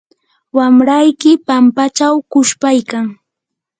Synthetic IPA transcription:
wamɾajkɪpampat͡ʃawkʊʃpajkaŋ

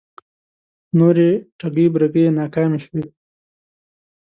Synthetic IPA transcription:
noːɾeʈaɡibɾaɡenaːkaːmiʃwe

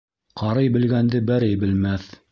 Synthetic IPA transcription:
qʰɑɾɤjbɘ̆lɡænd̪ɘbæɾɘjbɘ̆lmæθ

